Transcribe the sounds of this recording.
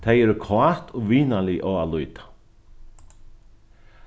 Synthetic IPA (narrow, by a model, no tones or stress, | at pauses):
t̪ʰajɛɾʏkʰaht̪ɔʋiːnaliʔɔwalujt̪ḁ